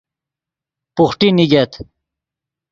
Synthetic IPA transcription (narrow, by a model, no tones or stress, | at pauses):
puxʈiniɡet̪